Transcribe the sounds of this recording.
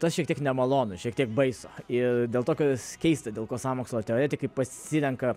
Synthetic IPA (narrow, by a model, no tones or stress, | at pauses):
t̪ɐsʃʲiɛk̚tʲiɛknʲɛmɐlˠoːnʊʃʲiɛkt̪ʲiɛk̚bɐɪsoːɪrd̪ʲeːlˠt̪oːkʲoskʲɛɪst̪ɐdʲeːlˠkoːsɑːmoːkslˠoːt̪ʲɛoːɾʲeːt̪ʲɪkɐɪpɐsʲɪɾʲɛŋkɐ